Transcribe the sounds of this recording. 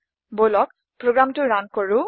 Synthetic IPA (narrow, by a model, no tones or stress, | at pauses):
bolɔk̚ | pɹoɡɹamtuɹankɔɹu